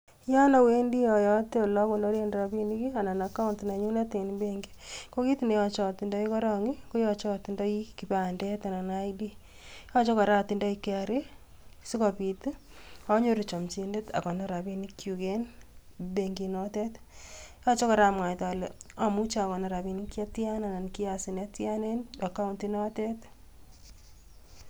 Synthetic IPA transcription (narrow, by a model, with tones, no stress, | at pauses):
jɔ˦na˨we˦ndi˦jɔ˨jɔ˦te˦o˨lɔ˦ko˨lo˦ɾe˦nda˨bi˦ni˦ki˦a˨na˨na˨ka˦˨nti˨na˨ɲu˦na˦te˨nbe˦ŋɡi̥ko˦ki˦ti˨ne˨˦jɔ˦t͡ʃɔ˨ti˨ndɔ˦i˦kɔ˦ɾɔ˨ŋi˦ko˦jɔ˨t͡ʃɔ˦˨ti˨ndɔ˦iki˨pa˨ndɛ˦ta˨na˨na˦idi˦ | jɔ˦t͡ʃɔ˦ka˨ɾa˦ti˨ndɔ˦i˦ke˦a˨ɾe˦ | sɪ˦kɔ˨pi˨tɔ˦ɲo˦ɾi˨t͡ʃɔ˨mt͡ʃi˧nde˦ta̰˨kɔ˨na˨ɾa˨bi˦nikʰju˨kenbeŋɡi˨nɔ˦tɛ˦t | jɔ˦t͡ʃɔ˦kɔ˨ɾa˦mwa˨ta˨lɛa˨mu˦t͡ʃa˦a˨kɔ˨na˨ɾa˨bi˦nikja˦tja˦na˨na˨nki˦asɪ˨nɛ˦tja˦ne˦na˨ka˦untinɔ˦tɛ˦t